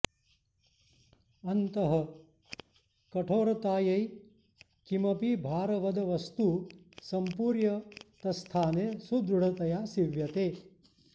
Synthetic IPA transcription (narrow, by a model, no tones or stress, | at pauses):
ɐnt̪ɐɦɐ̆ | kɐʈʰoːɾɐt̪aːjɐj | kimɐpibʱaːɾɐʋɐd̪ɐʋɐst̪u | sɐmpuːɾjɐt̪ɐst̪ʰaːneːsud̪ɾuɽɐt̪ɐjaːsiʋjɐt̪eː